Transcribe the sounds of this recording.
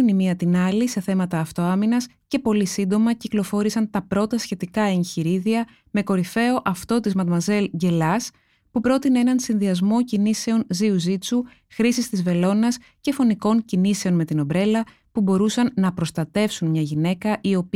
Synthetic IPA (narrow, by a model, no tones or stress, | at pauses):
unimiɐt̪inɐlise̞θe̞mɐt̪ɐːft̪o̞ɐminɐs | ce̞po̞lisind̪o̞mɐciklo̞fo̞ɾisɐnt̪ɐpɾo̞t̪ɐsçe̞t̪ikɐençiɾiðiɐ | me̞ko̞ɾife̞o̞ʔɐft̪o̞t̪izmɐt̪mɐze̞lɟe̞lɐs | pupɾo̞t̪ineenɐnsinðiɐzmo̞cinise̞o̞nziuzit͡su | xɾisist̪izve̞lo̞nɐs | ce̞fo̞niko̞ɲcinise̞o̞nme̞t̪ino̞bɾe̞lɐ | pubo̞ɾusɐnːɐpɾo̞st̪ɐt̪e̞fsunmɲɐʝine̞kɐʔio̞p